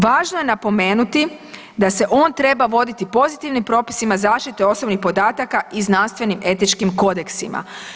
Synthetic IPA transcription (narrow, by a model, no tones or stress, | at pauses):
ʋaːʒnoje̞napo̞me̞ːnut̪i | d̪ase̞ʔo̞ːnt̪ɾe̞baʋo̞d̪it̪ipo̞zit̪iʋnimpɾo̞ːpi̥simazaːʃt̪it̪e̞o̞so̞bnixpo̞d̪aːt̪akaiznanst̪ʋe̞nime̞t̪it͡ʃkimko̞d̪e̞ksima̰